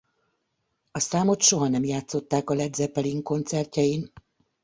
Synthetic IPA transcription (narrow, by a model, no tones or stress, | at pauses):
ɒsaːmo̞t̪ʃo̞ɦɒnɛmjaːt̪so̞t̪ːaːkɒlɛd̪zɛpɛliŋko̞nt̪sɛrcɛjin